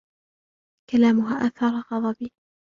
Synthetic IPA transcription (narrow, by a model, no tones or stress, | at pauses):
kalaːmʊɦaːʔaθɑɾˤɑɣɑd̪ˤɑbi